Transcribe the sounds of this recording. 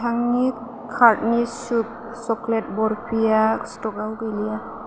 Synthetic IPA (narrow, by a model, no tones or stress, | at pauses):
tʰaŋni | kʰaɾtnisup̚ | sɔklet̚bɔɾpʰijastɔɡawɡelija